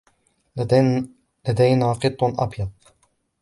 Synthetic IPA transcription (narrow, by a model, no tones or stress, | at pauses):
lad̪ajnaːqɨt̪ˤːnʔa̰bja